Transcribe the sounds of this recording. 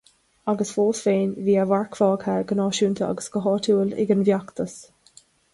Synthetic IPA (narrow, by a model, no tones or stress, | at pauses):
aɡəsfoːsveːnviːavaɹkfɑːɡhaɹɡənɑːʃuːnt̪ʰəa̰ɡəsɡəɦɑːt̪ʰuːəlɪ̰ɡənvjakt̪əs